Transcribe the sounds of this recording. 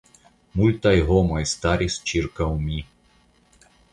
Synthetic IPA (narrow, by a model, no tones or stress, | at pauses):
mulʲt̪ajɦɔmajst̪aɾʲist͡ʃirkaumʲi